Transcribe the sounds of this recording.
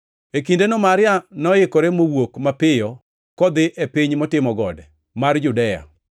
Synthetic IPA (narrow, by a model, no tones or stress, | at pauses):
ekindenɔmaɾɪjanɔjɪkɔɾemowokmapɪjɔ | kɔd̪ɪʔepiɲmɔtɪmɔɡɔ̰dɛ | mard͡ʒʊdɛja̰